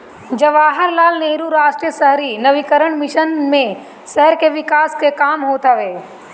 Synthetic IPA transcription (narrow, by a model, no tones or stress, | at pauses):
d͡ʒɐʋaːɦəɾlaːlneːɾuɾaːʃʈɾijəsɐɦɾinɐʋikəɾəɳ̃mɪʃənmẽ | ʃɛɦəɾkeʋɪkaːskekaːmɦot̪ʰəʋeː